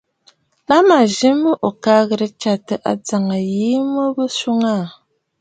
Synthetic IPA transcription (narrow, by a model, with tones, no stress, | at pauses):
la˦ma˨ʒi˦mə˦ʔo˨ka˦ɣə˨ɾə˦t͡ʃa˨tə˨ʔa̰˨d͡za˨ŋa˨ji˨˦mə˦bə˦su˦ŋa˦˨